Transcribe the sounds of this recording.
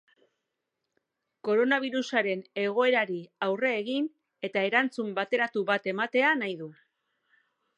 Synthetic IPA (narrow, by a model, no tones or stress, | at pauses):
ko̞ɾo̞naβ̞iɾusaɾe̞ne̞ɣ̞o̞e̞ɾaɾiawre̞ːɣin | e̞t̪ae̞ɾant͡sumbat̪e̞ɾat̪uβat̪e̞mat̪e̞anajðu